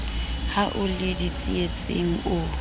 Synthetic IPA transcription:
haʔʊlɪdit͡sʼiet͡sʼḛŋ̩ʊ

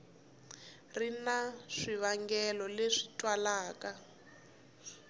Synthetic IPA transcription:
rinaʂiβaŋɡɛlɔleʂi̥tʼwalaːka

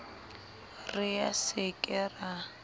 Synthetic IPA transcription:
rɪjasɪkʼɛra

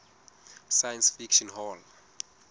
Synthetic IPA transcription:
sajãnsfikʃɔnɦɔl

